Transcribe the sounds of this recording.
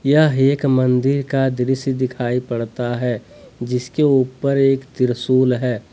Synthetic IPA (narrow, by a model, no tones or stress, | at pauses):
jaɦeːkmɐ̃nd̪ɪɾkad̪ɪɾɪsd̪ɪkʰaːipɐɽt̪aɦɛ | d͡ʒɪskeuːpəɾeːkd̪ɪɾsuːlɦɛː